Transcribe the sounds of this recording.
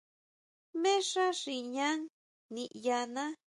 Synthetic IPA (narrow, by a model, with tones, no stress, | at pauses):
mẽ˦ʂa˦ʂi˧˨ɲã˦ŋ | nĩ˧˨ʔja˧nã˦